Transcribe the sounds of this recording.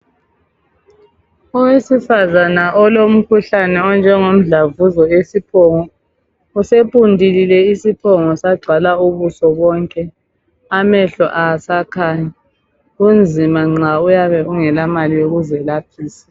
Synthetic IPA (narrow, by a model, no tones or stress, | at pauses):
ɔwesifazanaʔɔlom̩kʰuɬanɛɔnd͡ʒʱɛŋom̩ɮavuzɔesipʰɔŋɔ | usepʼundʱililɛisipʰɔŋɔsaɡ͡ǀʱwalauβusɔβɔŋkʼɛ | amɛɬɔ̰ʔasakʰaːɲa | ɣund͡zʱimaŋ͡ǁaujaβɛuŋɛlamalijoɣuzɛlapʰiːsḁ